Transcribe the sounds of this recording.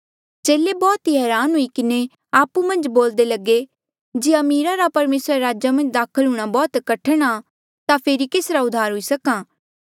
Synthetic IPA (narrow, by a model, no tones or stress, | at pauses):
t͡ʃeːlebɔːt̪iɦɛːɾaːnɦʊikɪne | aːpumɐ̃nd͡ʒboːld̪elɐɡe | d͡ʒiːɐmiːɾaɾapɐɾmeːsɾaɾaːd͡ʒamɐ̃nd͡ʒd̪aːkʰəlɦʊːɽ̃abɔːt̪kɐʈʰəɽ̃a | t̪apʰeːɾikeːsɾaʊd̪ʱːaːɾɦʊisɐkaː